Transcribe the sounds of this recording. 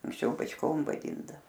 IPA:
ɐŋksʲˈt͡ʃʲɛʊ bɐt͡ʃˈkoːm ʋɐˈdʲiːndɐʋoː

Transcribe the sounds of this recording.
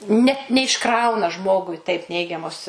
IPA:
ˈnʲɛ nʲɛɪʃˈkrɐʊnɐ ˈʒmoːɡʊɪ tɐɪp ˈnʲɛɪɡʲɛmoːs

